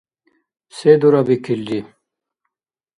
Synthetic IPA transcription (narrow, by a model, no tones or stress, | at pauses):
sed̪uɾabikʰildi